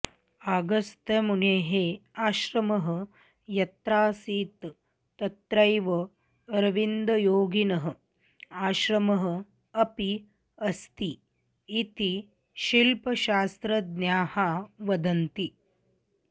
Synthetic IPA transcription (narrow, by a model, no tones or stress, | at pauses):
aːɡɐst̪ɐmuneːɦeːaːʃɾɐmɐɦə̆ | jɐt̪ɾaːsiːt̪ː | ɐt̪ɾɐjʋɐ | ɾɐʋind̪ɐjoːɡinɐɦɐ̆ | aːʃɾɐmɐɦɐ̆ | ɐpi | ɐst̪iː | t̪i | ʃilpɐʃaːst̪ɾɐd̪njaːhaːʋɐd̪ɐnt̪i